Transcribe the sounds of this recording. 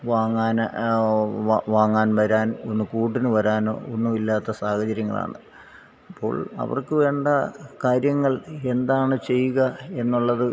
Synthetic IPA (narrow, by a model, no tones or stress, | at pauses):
ʋaːŋːaːn | ʋaːŋːaːnʋɐɾaːnonːɨkuːʈ̬ːinɨʋɐɾaːno̞̰ːonːumilːaːt̪ːɐsaːhɐt͡ɕɐɾjɐŋːɐ̰ɭa̰ːɳɨ̰ | ɐpːo̞̰ːɭɐ̰ʋɐ̰rkɨʋe̞ːɳɖɐkaːɾjɐŋːɐɭe̞nd̪aːɳɨt͡ɕe̞jːuɣɐe̞nːuɭːɐðɨ